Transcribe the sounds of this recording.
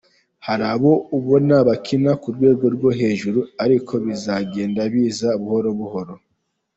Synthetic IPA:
haɾaβo̞uβo̞naβakʰinakuɾɡwe̞ːɡo̞ɾɡwo̞ɦe̞ːʒuɾuaɾikʰo̞βizaɡe̞ːndaβiːzauβuho̞ɾo̞βuho̞ɾo̞

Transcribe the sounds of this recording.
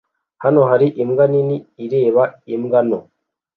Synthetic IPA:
hanoɦaɾiʔimɡaniniːɾe̞ːβaimɡano̰

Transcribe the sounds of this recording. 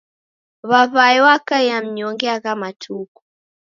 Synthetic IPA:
βaβaɛwakaɛjam̩ɲɔŋɡɛaɣamatʰukɔ

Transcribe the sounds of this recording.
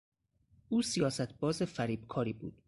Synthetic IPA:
ʔuːsijɒːsæt̪̚ʰbɒːzefæɾiːbkʰɒːɾiːbṵːd̪̥

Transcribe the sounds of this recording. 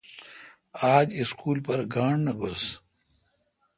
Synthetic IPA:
aːd͡ʑiskuːlpɐɾɡaːɳnɐɡʱos

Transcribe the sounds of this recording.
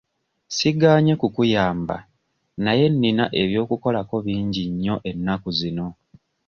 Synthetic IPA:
siɡaːɲe̞kukujaːmba̰ | naje̞nːinaʔe̞βjo̞ːkuko̞lako̞βiːɲɟiɲːo̞ʔe̞nːakuzino̞

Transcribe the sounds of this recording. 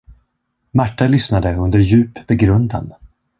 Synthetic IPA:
maʈːalʏsnad̪əɵnd̪əɾjʉ̟ːpb̥ɛɡɾɵnd̪a̰n

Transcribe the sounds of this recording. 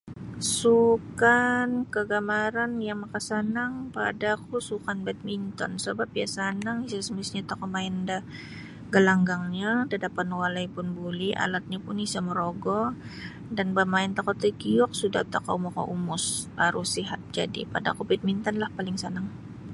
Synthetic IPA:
sukankəɡamaɾanjaŋmakasanaŋpa̰dakusukanbɛt̪̚mint̪ɔ̰nsəbap̚ia̰sanaŋisasəmisɲat̪akɔmaɪnda | ɡəlaŋɡaŋɲadadapanwalajpʊnbuliʔa̰lat̪̚ɲapʊnisaməɾoɡɔ | danbamaɪnt̪akɔt̪əɡiɔk̚sudat̪aka̰mɔka̰ʔumʊsaɾʔʊsiɦat̪̚d͡ʒa̰dḭpada̰kubɛt̪̚mint̪anlahpalɪŋsanaŋ

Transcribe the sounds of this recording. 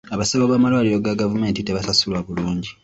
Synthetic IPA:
aβasaβoβaːmalwaːliɾo̞ɡaɡavume̞ːntiteβasasulwaβuluːɲɟi

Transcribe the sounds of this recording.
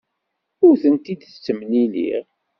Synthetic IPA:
ʊɾθənt̪id̪t͡sːəmnilḭʁ

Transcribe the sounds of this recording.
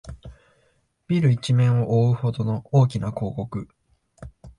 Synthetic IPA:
b̥ʲiɾɯ̟it͡ɕimẽ̞ɰ̃o̞ʔoːɯ̟ho̞d̪o̞no̞oːkʲinako̞ːko̞kɯ̟

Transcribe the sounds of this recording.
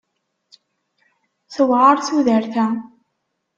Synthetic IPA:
θəwʁəɾˤθuðəɾθæ

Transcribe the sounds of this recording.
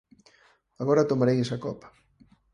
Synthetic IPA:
aɣɔɾɐt̪omaɾejesakɔpɐ̥

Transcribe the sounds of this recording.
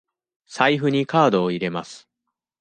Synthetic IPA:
saiɸɯ̟ɲ̟ikaːd̪o̞ːiɾe̞masɨ̥

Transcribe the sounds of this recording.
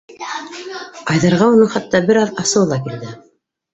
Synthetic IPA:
ɑjðɑɾʁɑunɤɴχɑt̪ːɑbɘɾɑðɑsɤ̆wlˠɑkild̪ɘ

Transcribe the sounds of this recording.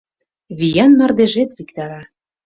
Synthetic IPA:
βijɑnmɑrd̪eʒet̪βikt̪ɑɾɑ

